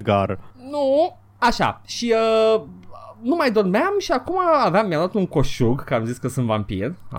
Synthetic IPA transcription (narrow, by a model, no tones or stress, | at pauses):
ɡarnu | aʃa̰ʃiə | numajd̪ormeamʃiakumaːvamːjad̪at̪uŋkoʃuɡkəamziskəsɨnt̪vampḭr